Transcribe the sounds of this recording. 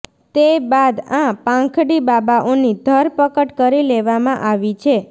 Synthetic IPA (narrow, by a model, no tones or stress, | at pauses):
t̪ebad̪ãpãŋkʰɽibabaʔonid̪ʱəɾpəkəʈkəɾileʋamãʔaʋit͡ʃʰe